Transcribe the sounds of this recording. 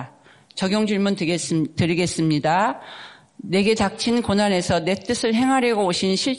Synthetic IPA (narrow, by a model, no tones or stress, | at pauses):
t͡ɕʌɡjoŋd͡ʑuɭmuntestɯɾiɡe̞s͈ɯmɲida | ne̞ɡe̞t͡ɕak̚t͡ɕʰinkonane̞sʰʌne̞t͈ɯsʰɯɭɦe̞ŋɦaɾjʌɡooɕʰinɕʰiɭ